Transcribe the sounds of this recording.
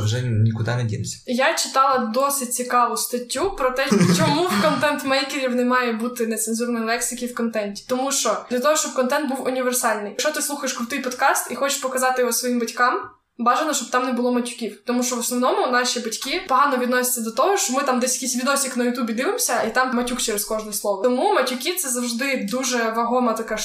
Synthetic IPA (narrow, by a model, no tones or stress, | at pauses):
ʋʒɛnʲikʊd̪ɑnɛdʲḭɪmsʲɐ̥jat͡ʃɪ̥t̪ɑlˠɐd̪ɔsɪt̚ʲt͡sʲikɑʋʊst̪ɐtʲːupɾɔt̪ɛt͡ʃɔmuwkɔnt̪ɛnt̪mɛjkeɾʲiwnɛmɑjɛbut̪ɪnɛt̪sɛnzurnɔjlˠɛksɪkʲiwkɔnt̪ɛnʲtʲi̥t̪ɔmuʃt͡ʃɔd̪lʲɐt̪ɔɦɔʃt͡ʃɔb̚kɔnt̪ɛnt̪buwʊnʲiʋersɑlʲnɪjʃt͡ʃɔt̪ɪslˠuxɐjeʃkɾʊt̪ɪjpɔd̪kɑst̪ixɔt͡ʃɪ̥ʃpɔkɐzɑt̪ɪɔsʋɔjimbɐtʲkɑm | bɑʒenɔʃt͡ʃɔb̚t̪ɑmnɛbʊlˠɔmɐtʲʊ̥kʲiwt̪ɔmuʃt͡ʃɔʋɔsnɔʋnɔmʊnɑʃʲibɐtʲkʲipɔɦɑnɔʋʲd̪nɔsʲɪ̥t͡sʲːɐd̪ɔt̪ɔɦɔʃt͡ʃɔmɪt̪ɑmd̪ɛsʲjɐkijsʲʋʲid̪ɔsʲiknɐjʊt̪ʲubʲid̪ɪʋɪmsʲɐit̪ɑmmɐtʲukt͡ʃɛɾeskɔʒnɔɔslˠɔʋɔt̪ɔmumɐtʲʊkʲit̪sɛzɐwʒd̪ɪd̪uʒɛʋɐɦɔmɐt̪ɐkɑ